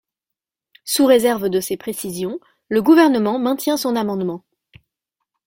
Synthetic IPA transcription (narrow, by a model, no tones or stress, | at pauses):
suʁezɛʁvd̪əsepχesizjɔ̃ | ləɡuvɛʁnəmɑ̃mɛ̃t̪jɛ̃sɔ̃namɑ̃d̪mɑ̃